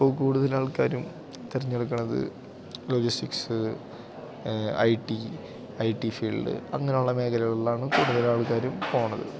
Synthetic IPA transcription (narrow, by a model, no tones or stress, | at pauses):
ipːokuːɽuðɐlaːɭkaːɾum | t̪eriɲːeɽuk̬ːɐɳɐðɨ̰ | lo̞ːd͡ʑisʈiksɨ | ɐ̰jʈːi | ɐjʈːifiːɭɖɨ̰ɐŋːɐneuɭːɐme̞ːkʰɐlɐɣɭuɭːaːɳɨkuːɽuðɐlaːɭkaːɾumpo̞ːɳɐðɨ̰